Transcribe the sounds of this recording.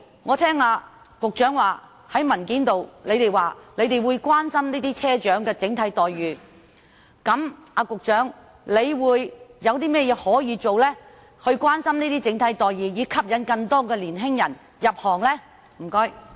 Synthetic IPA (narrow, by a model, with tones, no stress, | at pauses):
ŋɔː˨˧t̪ʰɛː˥ŋaː˧ | kʊ˨k̚t͡ʃœː˨˥ŋwaː˨˩ | hɐ˨˥jmɐ˨˩nkiː˨˥nt̪o˨wle˨˧jt̪e˨jwaː˨le˨˧jt̪e˨˩jwuː˨˧jkʷwaː˥nsɐ˥mniː˥t̪iː˥t͡sʰɛː˥t͡ʃœː˨˥ŋkɛː˧t͡sɪ˨˥ŋt̪ʰɐ˨˥jt̪ɔː˨jɥyː˨˩ | kɐ˨˥maː˧kʊ˨k̚t͡ʃœː˨˥ŋ | le˨˧jwuː˨˧jːɐ˨˧wt̪iː˥mɛː˥˩jɛː˧hɔː˨˥jiː˨˧t͡ʃo˨wlɛː˥ | hɵ˧ɥkʷwaː˥nsɐ˥mniː˥t̪iː˥t͡sɪ˨˥ŋt̪ʰɐ˨˥jt̪ɔː˨jjiː˨˩jiː˨˧kʰɐ˥p̚jɐ˨˥nkɐ˧ŋt̪ɔː˥kɛː˧liː˨˩nɦɪ˥ŋjɐ˨˩n | jɐ˨p̚hɔː˨˩ŋlɛː˥ | m̩˨˩kɔ˥j